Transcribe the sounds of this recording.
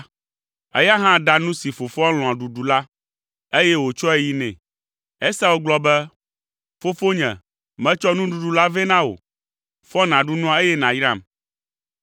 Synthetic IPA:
ɛ̰˦ja˦ɦã˦ɖa˦nũ˦si˨fo˨fɔ˦l̃ɔ̃˨a˨ɖu˨ɖu˨la˦ | e˦jɛ˦wo˨t͡ʃɔ˦e˨˦ji˦nɛ̰̃˨ | ɛ˦sa˦wo˦ɡ͡blɔ˦bɛ˦ | fo˦fo˦ɲɛ̰̃˨ | mɛ̃˦t͡ʃɔ˦nũ˦ɖu˨ɖu˨la˦vɛ˦nã˦wo̰˨ | fɔ˦nã˨ɖu˦nũ˦a˦e˦jɛ˦nã˨jɾã̰˦˨m

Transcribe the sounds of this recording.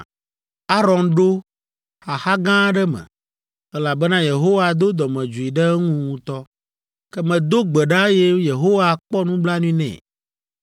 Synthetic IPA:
a˦ɾɔ˨nɖo˦ | xa˨xa˦ɡã˦ɖɛ˦mɛ̰̃˨ | ɛ˦la˨bɛ˦nã˦je˨ɦo˦wa˨d̪o˦d̪ɔ˨mɛ̃˨d͡ʒu˨i˨ɖɛ˦ŋũ˦ŋũ˦t̪ɔ˦ | kɛ˦mɛ̃˨d̪o˦ɡ͡bɛ˨ɖa˦je˦je˨ɦo˦wa˨k͡pɔ˦nũ˦bla˦nũ˦ĩ˦nɛ̰̃˨

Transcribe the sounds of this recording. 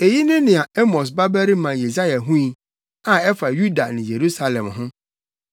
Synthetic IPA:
e˨ji˦nɪ̃˦nɪ̃˨a˨ɛ˦mɔ˨s̬ba˦bæ˦ɾi˦mã˨je˨za˦ja˨ɦũ˦i˨ | ã˨ɛ˦fa˨ju˦da˨nɪ̃˨je˨ɾu˦sa˨lɛ̃˨mɦʊ̃˦

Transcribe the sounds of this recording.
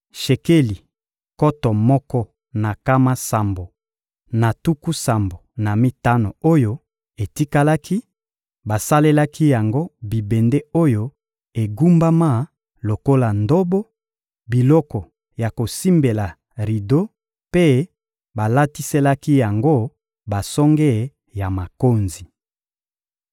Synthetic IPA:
ʃe˨ke˦li˨ | kɔ˦tɔ˨mɔ˦kɔ˦ | na˨ka˦ma˦sa˨mbo˨ | na˨tu˦ku˦sa˨mbo˨na˨mi˦ta˦no˨o˦jo˦ | e˨ti˦ka˦la˦kʰi˦ | ba˨sa˦le˦la˦ki˦ja˨ŋɡo˦bi˨be˨nde˦o˦jo˦ | e˨ɡu˦mba˦ma˦ | lo˨ko˦la˨ndo˦bo˦ | bi˨lɔ˦kɔ˨ | ja˨ko˨si˦mbe˨la˨ | ʁi˨do˦ | pe˦ | ba˨la˦ti˦se˦la˦ki˦ja˨ŋɡo˦ | ba˨sɔ˦ŋɡɛ˦˨ | ja˨ma˨ko˦nzi˨

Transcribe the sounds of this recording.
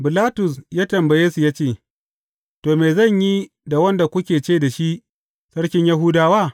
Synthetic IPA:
bɪ˨laː˦tʊ˨sjaː˦tɐ˨mbɐ˨jeː˦su˨jaː˦t͡ʃeː˦˨ | toː˨meː˨zɐ˦˨ɲji˦ | da˨wɐ˦nda˨kʷʊ˦kʲeː˨t͡ʃeː˦da˨ʃi˦ʔ | sɐ˦ɽkʲɪ˦ɲja˦ɦuː˦daː˨waː˦

